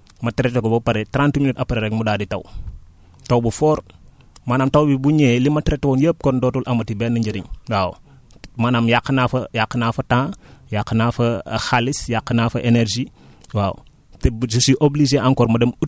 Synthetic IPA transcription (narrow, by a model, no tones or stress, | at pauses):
mɐtɾetoɡobɐpɐɾetɾãntminitɐpaɾeɾɛkmudaːditɐw | tɐwbufɔːɾ | maːnaːmtɐwbibuɲeːlimɐtɾetːwoːnjəːp̚kondoːtulʔɐmɐtibɛːnɐɲd͡ʒɐdiɲwaːw̰ | maːnaːmjakːɐnafɐjakːɐnafɐtãːjakːɐnaːfɐxalisjakːɐnaːfɐʔeneɾd͡ʒi | waːw̰ | tesusiʔoblid͡ʒeʔaŋkɔɾmɐdɐmu